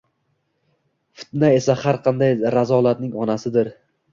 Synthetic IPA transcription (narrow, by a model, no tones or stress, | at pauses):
fɪ̥t̪nae̞sahaɾqʰɑnd̪ajɾazɒlˠat̪nɪŋɒnasɪd̪ɪɾ